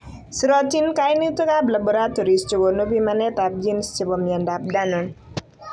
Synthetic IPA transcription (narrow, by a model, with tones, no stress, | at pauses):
siɾɔtinka˦jni˦t̪u˦ka˦bla˨boɾat̪o˨ɾi˨st͡ʃo˨ɡo˨no˦pimanɛ˦t̪ap̚d͡ʒi˦nst͡ʃi˨bɔmja˨ndap̚danɔ˨n